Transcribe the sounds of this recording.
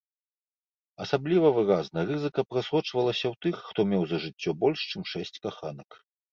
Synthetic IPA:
ɐsablʲivɐvɨɾaznɐrɨzɨkɐpɾasɔt͡ʂvɐlˠɐsʲɐwt̪ɨxːt̪ɔmʲɛwzɐʐɨt͡sʲːɔbɔlʲʂt͡ʂɨmʂɛsʲt͡sʲkaxanɐk

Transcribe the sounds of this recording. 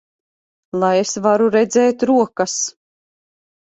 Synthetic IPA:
lˠajesvaɾuɾɛd̪zɛːt̪ɾuɔkas

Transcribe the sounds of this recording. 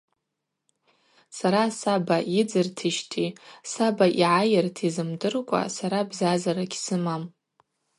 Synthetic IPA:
saɾasabaid͡zɨrtʰɨʃtʰisabaʔiʕajɪrtʰizɨmdɨrkʷʼa̰saɾabzazaɾakʲsɨmam

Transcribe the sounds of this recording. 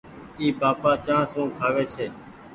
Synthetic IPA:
iːbaːpaːt͡ʃãːsũːkʰaːʋeːt͡ʃʰeː

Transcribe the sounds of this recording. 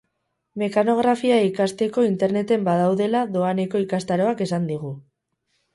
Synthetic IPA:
me̞kano̞ɣ̞ɾafiaikast̪e̞ko̞int̪e̞ɾne̞t̪e̞mbað̞awðe̞laðo̞ane̞ko̞ikast̪aɾo̞ake̞sand̪iɣ̞u

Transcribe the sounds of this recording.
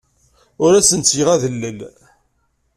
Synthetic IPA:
ʊɾæsənt͡sːjəʁæðəlːəl

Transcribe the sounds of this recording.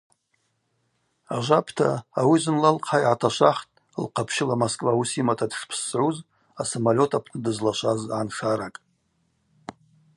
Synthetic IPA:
aʒʷapʰtʰa̰ːwizɨnlalqʰajʕatʰaʃʷaχtʼ | lqʰapʰʃɪlamoskʼvausimatʰadʂpʰsʕuz | asamalʲo̞tʰapʰnɨdɨzlaʃʷazʕanʂaɾakʼ

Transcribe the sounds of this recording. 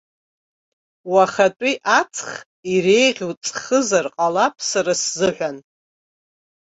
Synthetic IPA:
waχatʷʼiʔat͡sʰχ | ire̞jʁʲwt͡sʼχəzarqʼalapʰsaɾaszɨħᶣʷan

